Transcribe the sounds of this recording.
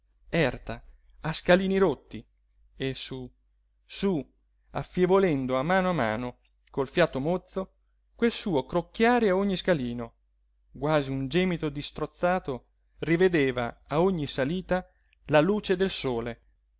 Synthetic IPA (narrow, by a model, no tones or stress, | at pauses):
ɛrt̪a | askaliːniɾot̪ːi | esu | su | afːjevolɛnd̪oamːaːnoama̰ːno | kolfjaːt̪ːomot̪sːo | kwelsuːokɾokːjaːɾeaoɲːiskaliːno | ɡwaːziund͡ʒɛːmit̪od̪ist̪ɾot̪sːaːt̪o | rived̪eːvaːoɲːisaliːt̪a | laluːt͡ʃed̪elsoːle